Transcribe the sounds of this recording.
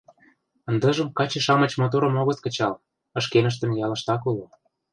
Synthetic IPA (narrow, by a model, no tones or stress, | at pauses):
ə̆nd̪ɤ̆ʒə̆mkɑt͡ɕeʃɑmə̆t͡ɕmot̪̬oɾə̆moɣɤ̆t̪̚kə̆t͡ɕɑl | ə̆ʃkenə̆ʃ̬t̪ə̆mjɑlə̆ʃt̪ɑkulo